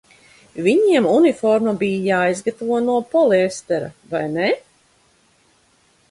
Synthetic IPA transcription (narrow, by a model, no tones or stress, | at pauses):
viɲiɛmunifɔɾmabijjaːjizɡat̪avuɔnuɔpɔlˠiɛst̪ɛɾa̰vajne